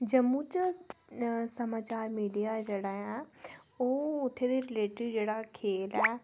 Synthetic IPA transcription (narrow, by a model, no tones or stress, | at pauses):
d͡ʒəmːũt͡ʃ | sɐmaːt͡ʃaːɾmiːɖijad͡ʒeːɽaːjã | oːʊt̪ʰːed̪iɾɪleːʈɪʋd͡ʒeːɽakʰeːlɛː